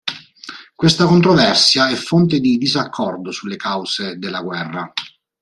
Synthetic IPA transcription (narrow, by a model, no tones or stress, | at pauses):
kwest̪akont̪ɾovɛrsjaɛfːont̪ed̪id̪izakʰːɔrd̪osulːekawz̥ed̪elːaɡwɛrːa